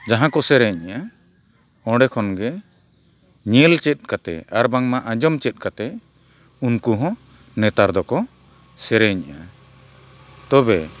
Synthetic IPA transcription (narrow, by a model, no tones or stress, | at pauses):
d͡ʒaɦãkɔsɛɾɛɲaʔa | ɔ̃ɖɛkʰɔnɡɛ | ɲɛlt͡ʃɛt̪̚ˀkat̪ɛ̰aɾbaŋmaʔãd͡ʒɔmt͡ʃɛt̪̚ˀkat̪ɛ | unkuɦɔ̃ | nɛt̪aɾd̪ɔkɔ | sɛɾɛɲa̰ʔa | t̪ɔbɛ